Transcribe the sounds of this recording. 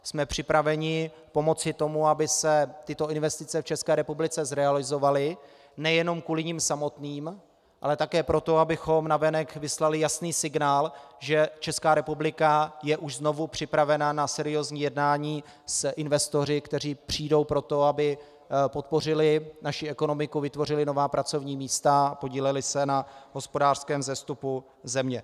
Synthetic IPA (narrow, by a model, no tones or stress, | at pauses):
smɛpr̥ɪpɾavɛɲɪ | po̞mo̞t͡sɪt̪o̞muabɪsɛt̪ɪt̪o̞ɪnvɛst̪ɪt͡sɛft͡ʃɛskɛːɾɛpublɪt͡sɛzɾɛalɪzo̞valɪ | nɛjɛno̞mkuːlɪɲimsamo̞t̪niːm | ʔa̰lɛt̪akɛːpɾo̞t̪o̞abɪxo̞mnavɛnɛkvɪslalɪjasniːsɪɡnaːlʒɛt͡ʃɛskaːɾɛpublɪkajɛʔuʃzno̞vupr̝̥ɪpɾavɛnanasɛɾɪjo̞zɲiːjɛdnaːɲiː | sʔɪnvɛst̪o̞rɪkt̪ɛr̝iːpr̝̥iːdo̞wpɾo̞t̪o̞abɪ | po̞t̪̚po̞r̝ɪlɪnaʃiɛko̞no̞mɪkuvɪt̪vo̞rɪlɪno̞vaːpɾat͡so̞vɲiːmiːst̪apo̞ɟiːlɛlɪsɛnaɦo̞spo̞daːr̥skɛːmzɛst̪upu | zɛmɲɛ